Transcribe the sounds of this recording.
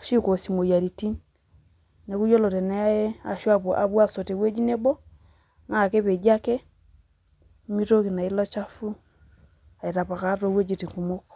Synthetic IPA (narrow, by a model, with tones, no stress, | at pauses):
ʃi˦ko˨si˨mo˨ja˨ɾi˨ti˦n | ne˨ku˦jo˦lo˨ɾɛ˨na˦a˦je˦a̰˨ʃwa˦bo˨ʔa̰˨bwa˦˨so˨te˨we˦d͡ʒi˦ne˦bɔ˦ | na˨ke˦βe˨d͡ʒa˦kɛ˦ | mi˦ɾo˦ki˨na˨i˦lɔ˦t͡ʃa˦fu˦ | a˨i˨ɾa˨pa˨ka˦to˦we˦d͡ʒi˦˨ti˨ŋku˨mo˦k